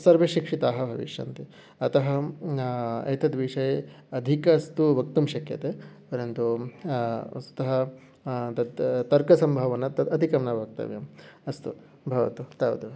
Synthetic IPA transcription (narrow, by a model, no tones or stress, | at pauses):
sɐɾʋɐʃikʂit̪aːɦɐbʱɐʋḭʃjɐ̰nt̪i | ɐt̪ɐɦɐ̆ | ɐ̰t̪ɐd̪ʋiʂɐj | ɐd̪ʱikɐst̪uʋɐk̚t̪umʃɐkjɐ̰t̪epɐɾɐnt̪ṵ | ɐt̪ɐɦɐ | t̪ɐt̪t̪ɐɾkɐsɐmbʱɐʋɐnɐt̪ɐɐd̪ʱikɐmnɐʋaːk̚t̪ɐ̰ʋjɐ̰mɐst̪u | bʱɐʋɐ̰t̪ut̪ɐːʋɐt̪u